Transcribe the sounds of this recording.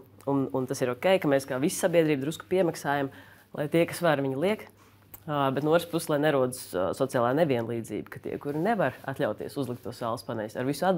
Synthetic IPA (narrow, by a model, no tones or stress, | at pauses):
ununt̪asiɾɔkʲɛjkamɛːskaːʋissabiɛd̪ɾiːbd̪ɾusku̥piɛmaksaːjam | lˠʔˠa̰jt̪iɛkasʋaɾvʲiɲilˠiɛk | bɛt̪nuuɔt̪ɾspusslˠajnɛɾuɔd̪u̥ssɔt̪sijaːlˠaːnevʲiɛnlˠiːd̪zḭːbkat̪ḭɛkuɾinɛʋaɾa̰t̪ʎʲaʊt̪ḭɛsuzlˠik̚t̪ːuɔsaːlˠspanɛjsaɾʋisuad̪